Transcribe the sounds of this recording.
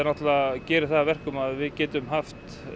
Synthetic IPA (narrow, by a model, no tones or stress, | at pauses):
ɾnaht̪lacɛːɾɪθavɛr̥kʏmaðvɪðcɛːt̪ʏmɦaft̪